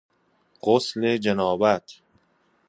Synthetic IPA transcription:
ɢ̥osled͡ʒænɒːbæt̪ʰ

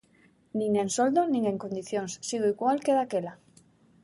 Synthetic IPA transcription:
nĩŋensold̪onĩŋeŋkond̪iθjoŋsːiðuiɣwalkeðakela

